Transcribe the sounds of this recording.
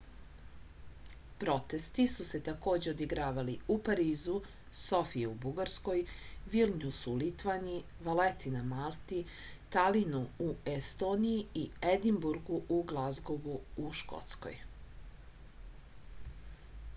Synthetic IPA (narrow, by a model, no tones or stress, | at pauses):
pɾo̞t̪e̞st̪isuse̞t̪ako̞ːd͡ʑeod̪iɡɾaːʋaliupaɾiːzu | so̞fieubuɡaɾsko̞jʋilɲʲusulit̪ʋanii | ʋalet̪inamalˠt̪i | t̪alinuuest̪o̞nijiied̪imbuɾɡuʔuɡlˠazɡoɡuuʃko̰t̪sko̞̰j